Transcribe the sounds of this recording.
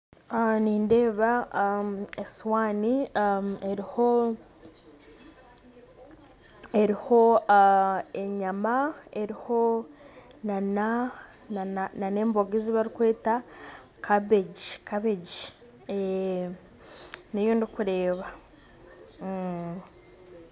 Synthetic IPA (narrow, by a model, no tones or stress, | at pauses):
aniːnde̞ːβa | eswaːni | e̞ɾiho | e̞ɾiho̞ | e̞ɲamae̞ɾiho̞ | nana | nananane̞ːmboɡiziβaɾikwe̞ːta | kʰaβeɟikaβe̞ɟi | e | nejondikuɾe̞ːβa